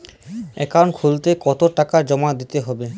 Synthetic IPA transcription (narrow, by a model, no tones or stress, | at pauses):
ɛkankʰult̪ekɔt̪oʈakaɾd͡ʑɔmad̪it̪eɦɔbe